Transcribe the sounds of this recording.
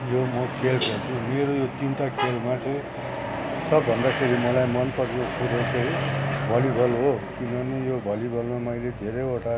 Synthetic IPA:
jomʌkʰelɡʌrd̪ʰũmeɾojot̪int̪akʰelmat͡sʌ̃ĩ | sʌbːʱʌnd̪akʰeɾimʌlajmʌnpʌɾiõkuɾot͡sʌ̃ĩbʱʌlibʱʌlɦokinʌnijobʱʌlibʱʌlmamʌjled̪ʱeɾʌjoʈa

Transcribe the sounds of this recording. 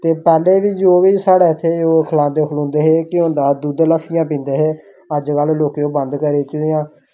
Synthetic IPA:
t̪eːpɛːleːʋiːd͡ʒoːʋiːsaːɽeːɪt̪ʰːeːoːkʰəlãːd̪eːkʰlõːnd̪eːɦeːkɪõːnd̪aːd̪uːd̪ləsɪjãːpĩːnd̪eːɦeː | əd͡ʒkəlloːkeːõːbənd̪kəɾeːt̪ːɪd̪ijãː

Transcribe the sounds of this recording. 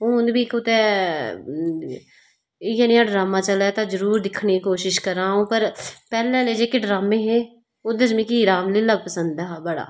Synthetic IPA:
ɦõːʊnd̪biːkʊt̪eː | ɪjanĩãːɖɾaːmãːt͡ʃəlɛːt̪ãːzəɾuːɾd̪ɪkʰɳeːkiːkoːʃɪʃkəɾaːũːpəɾpɛːlɛ̃ːleːd͡ʒeːkeːɖɾaːmẽːɦẽː | ʊd̪əd͡ʒmĩːkiːɾaːmliːlaːbpəsənd̪ɛːɦaːbəɽa̰ː

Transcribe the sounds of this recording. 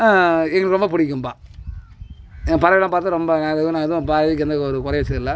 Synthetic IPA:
aːɛŋɡɐɭɐkːɾɔmbɐpʊɽɪkːɯmpaː | pɐɾɐʋɐlːãːpaːɾt̪ːɾɔmbɐnaːɐɐ̃nãːɛðʊ̃paːʋkːɛnd̪ɐkːɔɾɯkʊɾɐjʋɐt͡ʃːɐɪlːa

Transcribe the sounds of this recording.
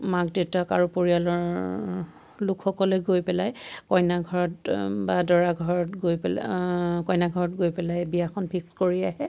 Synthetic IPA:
mak̚detakaɹupoɹialɔɹ | lʊkxɔkɔlɛɡojpɛlajkɔjnaɡʱɔɹɔtbadɔɹaɡʱɔɹɔtɡojpɛ | kɔjnaɡʱɔɹɔtɡojpɛlajbijaxɔnpʰikskoɹiaɦɛ

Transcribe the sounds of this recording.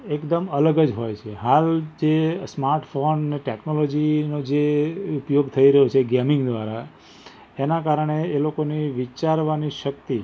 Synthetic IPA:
ekd̪əmələɡəd͡ʒɦojt͡ʃʰeɦald͡ʒesmaɾʈfonəneʈeknolod͡ʒinod͡ʒeupjoɡt̪ʰəiɾəɦot͡ʃʰeɡɛmɪ̃ŋɡd̪ʋaɾa | enakaɾəɳ̃eːlokoniʋit͡ʃaɾʋaniʃəkt̪i

